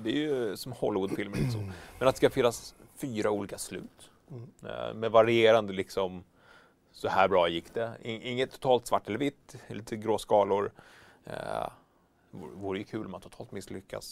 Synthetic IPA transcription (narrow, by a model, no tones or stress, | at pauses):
d̪ɛæjɵsɔmhɔlːɪvʊd̪fɪlməlḭt̪əsɔ̰mmɛnat̪ɛskafɪnːas | fyːɾauːliːkaslʉ̟̰ːt̪ | mɛvaɾɪeːɾand̪əlɪksɔm | sɔhæːbɾɑːjɪkːd̪̥ɛɪɪŋːət̪ʰːʊ̥t̪ʰɑːlt̪svaʈːɛlːəɾvɪt̪ːliːt̪ʰəɡɾoːsɡɑːlʊɾ | vuːɾəjɵkʰʉ̟ːlɔmant̪ʰʊt̪ʰɑːlt̪mɪslʏkːa̰s